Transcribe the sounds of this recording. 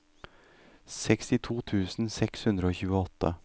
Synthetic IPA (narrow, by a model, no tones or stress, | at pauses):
sɛkst̪ɪt̪ʰuːt̪ʰʉːsn̩sɛkshʉnd̪ɾəoːçʉːəɔt̪ʰːə̰